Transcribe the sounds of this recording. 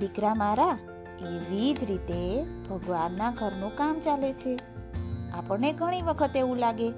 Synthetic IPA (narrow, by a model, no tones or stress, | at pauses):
ikɾamaɾa | eʋid͡ʒɾit̪eb̥ʱəɡʋanːaɡʱəɾnũkamt͡ʃalet͡ʃʰe | apəneɡʱəɽ̃iʋəkʰət̪eʋũlaɡe